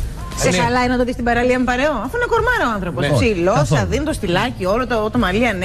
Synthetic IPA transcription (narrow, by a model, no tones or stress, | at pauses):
sexɐlɐinɐt̪oðist̪ibɐɾɐliɐmepɐɾeoɐfuinɐkoɾmɐɾɐoɐnθɾo̞possilosɐðinet̪ost̪ilɐciolot̪ot̪omɐliɐn